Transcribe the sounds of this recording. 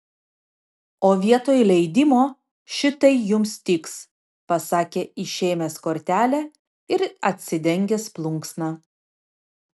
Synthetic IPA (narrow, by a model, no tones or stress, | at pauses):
oːʋʲiɛt̪oːjlʲɛɪd̪ʲɪmoː | ʃʲɪt̪ɐɪjʊmst̪ʲɪks | pɐsɑːkʲeːɪʃʲeːmʲeːskoːɾʲt̪ʲæːlʲæ | ɪɾɐt̪ʲsʲɪd̪ʲɛŋʲɡʲeːsplˠʊŋksnɑ